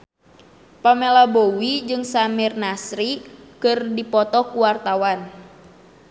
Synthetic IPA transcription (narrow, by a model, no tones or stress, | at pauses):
pamelabowid͡ʒɨŋsamirnasɾikɨrdipɔt̪ɔkuwart̪awan